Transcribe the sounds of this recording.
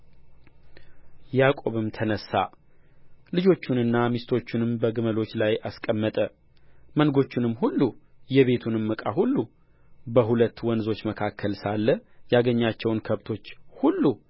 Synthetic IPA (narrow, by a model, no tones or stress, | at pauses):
jakʼo̞βɨmt̪ʰənəsːa̰ | lɨd͡ʒo̞t͡ʃːunɨnːamist̪ʰo̞t͡ʃːunɨmbəɡɨməlo̞t͡ʃːlajʔaskʼəmːət̪ʼə | mənɡo̞t͡ʃːɪnɨmːhulːujɛβe̞t̪ʰunɨmːɨkʼaɦulːu | bəɦulət̪ːwɔnzo̞t͡ʃːməkʰakʰːəlsalːəjaɡəɲːat͡ʃːɛwnkʰəβt̪ʰo̞t͡ʃːhulːu